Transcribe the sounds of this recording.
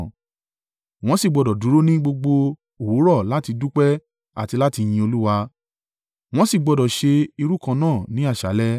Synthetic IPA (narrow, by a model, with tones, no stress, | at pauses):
w̃ɔ̃˦si˦˨ɡ͡bɔ˨˧dɔ˨du˨˦ɾo˦nĩ˦ɡ͡bo˧ɡ͡bo˧ | o˨wo˨˦ɾɔ˦˨la˦ti˧du˦k͡pɛ˦ | a̰˨ti˧la˦ti˧j̃ĩ˧o˧lu˦wa˧ | w̃ɔ̃˦si˦˨ɡ͡bɔ˧dɔ˨ʃe˧i˧ɾu˦kã˧nãː˦˨nĩ˨˦a˦˨ʃa˨˦lɛ˦